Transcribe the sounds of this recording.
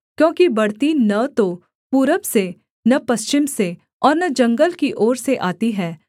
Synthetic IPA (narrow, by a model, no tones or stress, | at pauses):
kjõːkibɐɽt̪inɐt̪o | puːɾəbse | nɐpɐst͡ʃɪmse | ɔːɾnɐd͡ʒɐ̃ŋɡəlkiʔɔːɾseʔaːt̪iɦɛː